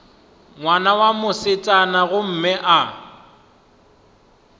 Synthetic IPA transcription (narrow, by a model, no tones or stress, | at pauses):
ŋwanawamʊsɪt͡sʼanaɣʊm̩mɪʔa